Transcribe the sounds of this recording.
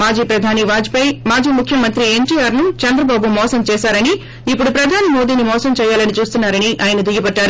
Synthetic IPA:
maːd͡ʒiːpɾɐd̪ʱaːniʋaːd͡ʒipɐjmaːd͡ʒiːmukʰjɐmɐnt̪ɾie̞ɳʈiːjaːɾnut͡ʃɐnd̪ɾɐbaːbumɔːsɐmt͡ʃɛːsaːɾɐni | ipːuɽupɾɐd̪ʱaːnimo̞ːd̪iːnimɔːsɐmt͡ʃɛːjaːlɐnit͡ʃuːst̪unːaːɾɐniʔaːjɐnɐd̪ujɐpɐɖːaːɾu

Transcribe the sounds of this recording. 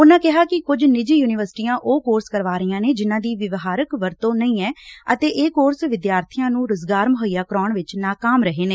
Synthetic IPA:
ʊnãːkɛɦaːkɪkʊd͡ʒnɪd͡ʒiːjuːnɪʋəɾsʈiːãːʔoːkoːɾskəɾʋaːɾiːãːneːd͡ʒɪnãːd̪iːʋɪʋɦaːɾəkʋəɾt̪õːnəĩːɛːət̪eːʔeːkoːɾsʋɪd̪jaːɾt̪ʰijãːnũːɾʊzɡaːɾməɦəijaːkɾɔːɳʋɪt͡ʃnaːkaːmɾəɦeːneː

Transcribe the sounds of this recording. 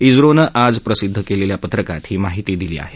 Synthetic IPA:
id͡zɾonəʔad͡zpɾəsid̪ʱːəkeleljapət̪ɾəkat̪ɦiːmaɦit̪iːd̪ilḭːa̰ɦe

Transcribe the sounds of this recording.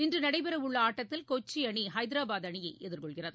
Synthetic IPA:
ɪndrɯnɐɽɐɪpɐɾɐʊɭːɐaːʈːɐt̪ːɪlkoːt͡ʃːiɐɳihɐɪðɪɾaːbaːðɐɳɪjɐɪʔʔɛðɪɾkɔɭɣɪrɐðɯ

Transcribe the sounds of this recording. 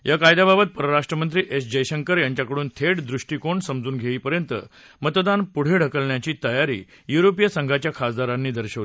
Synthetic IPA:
jakajd̪ababət̪̚pəɾəɾaʂʈɾəmənt̪̬ɾiːʔesd͡ʑəjɕəŋkəɾjaɲt͡ɕjakəɽuːnt̪ʰeɽd̪ɾuʂʈiːkoɳsəmd͡zuːnɡʱeiːpəɾjənt̪ə̰ | mət̪d̪anpuɽ̤eɽ̤ʱəkəlɳjat͡ɕiːt̪əjaɾḭː | juɾopijəsəŋɡʱat͡ɕjakʰasd̪aɾanːiːd̪əɾɕəʋ

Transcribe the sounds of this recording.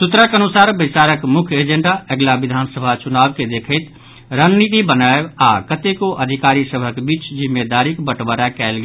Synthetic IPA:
sut̪ɾəkənusaːɾbəɪt͡ʃaɾəkmʊkʰjed͡ʒẽɳɖaəɡlaʋid̪ʱansəbʱat͡ʃunabked̪ekʰət̪ | ɾənːit̪ibənaebakət̪ekoʔəd̪ʱikaɾisəbʱəkbiːt͡ʃd͡ʒimːed̪aɾikbəʈbəɾakɛlɡ

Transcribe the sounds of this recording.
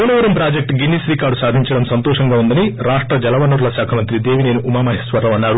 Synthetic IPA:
uːnɐʋɐɾɐmpɾaːd͡ʒek̚ʈɡinːisʋiːkaːɾɖusaːd̪ʱiɲt͡ʃɐɽɐmsɐnt̪ɔːʂɐŋɡaːund̪ɐniɾaːʂʈɾɐd͡ʒɐlɐʋɐnɐɾulɐʃaːkʰɐmɐnt̪ɾid̪eːʋine̞ːnuumaːmɐɦɐsʋɐɾːɐmɐnːaːɾu

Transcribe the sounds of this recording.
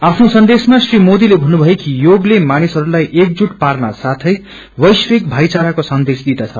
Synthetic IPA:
apʰnosʌnd̪esmasrimod̪ilebʱʌnːubʱʌjekijoɡlemanisɦʌɾulajʔek̚d͡zuʈparna̰sat̪ʰʌj | wʌjswek̚bʱajt͡saɾakosʌnd̪esd̪id̪at͡sʰʌ̰

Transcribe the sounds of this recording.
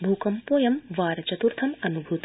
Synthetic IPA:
bʱuːkɐmpoːjɐmʋaːɾɐt͡ʃɐt̪uɾt̪ʰɐmɐnubʱut̪

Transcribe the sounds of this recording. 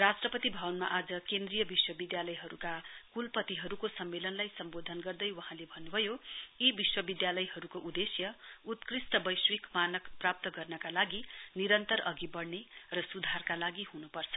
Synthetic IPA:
rasʈrʌpʌt̪ibʱʌwʌnma̰ʔad͡zʌkend̪rijʌbiswʌbid̪jalʌjɦʌɾukakulpʌt̪iɦʌɾukosʌmːelʌnlajsʌmbod̪ʱʌnɡʌrd̪ʌjwʌɦãlebʱʌnːubʱʌjoibiswʌbid̪jalʌjɦʌɾukoʔud̪esjʌut̪krisʈ̪ʌbʌjswikmanʌkprap̚t̪ʌɡʌrnʌkalaɡiniɾʌnt̪ʌɾʌɡibʌɽnerʌsud̪ʱarkalaɡiɦunupʌrt͡sʰʌ̥

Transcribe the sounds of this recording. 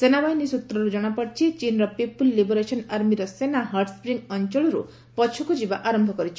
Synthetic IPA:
senabajnisut̪ɾɔɾud͡ʒɔɽ̃apɔɽt͡ʃʰit͡ʃinɾɔpipulːiboɾesɔnaɾmiɾɔsenaɦaɾʈspɾiŋɡɔnt͡ʃɔɭɔɾṵ | pɔt͡ʃʰukud͡ʒibaʔaɾɔmbʱɔkɔɾit͡ʃʰi

